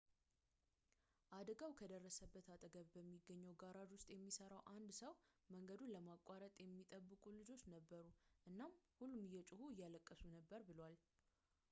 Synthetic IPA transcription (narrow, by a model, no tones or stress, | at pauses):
ʔad̪əɡawkʰəd̪ərːəsəbːət̪at̪ʼəɡəβbəmːiɡːəɲːɛwɡaɾad̪wʊst̪ʼjɛmːisəɾawʔand̪səwməŋɡəd̪unləmakʼaɾət̪ʼjɛmːit̪ʼəbːɨkʼulɨd͡ʒo̞t͡ʃːnəbːəɾuʔɨnːamhulːumɨjːɛt͡ʃʼɪhujːaləkʼːəsunəbːəɾbɨlwal